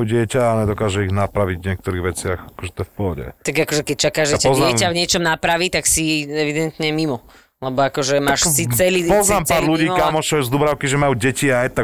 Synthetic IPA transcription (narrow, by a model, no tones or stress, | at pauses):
uɟɪɛcaːɲɛd̪ɔkaːʒɛiɣnapɾaʋiɟvɲɪɛk̚t̪ɔɾiːɣʋɛt͡sɪaxakɔʒɛt̪ɔɛfpɔɦɔɟɛ̰t̪aɡakɔʒɛkɛc̚t͡ʃakaːʒɛcaɔznaɛmcavɲɪɛt͡ʃɔmnapɾaʋit̪aksiɛʋid̪ɛnt̪ɲɛmimɔ | lɛbɔakɔʒɛmaːʃsit͡st͡sɛliːpɔznaːmaːɾluɟiːkkamɔt͡ʃɔjzd̪uːbɾaʊkiʒɛmajuɟɛciajt̪a